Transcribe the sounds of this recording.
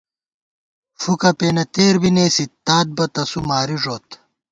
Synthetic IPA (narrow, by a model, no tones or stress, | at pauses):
fukɐpeːnɐt̪eːɾbineːsit̪ːaːd̪̚bɐt̪ɐsumaːɾiʐoːt̪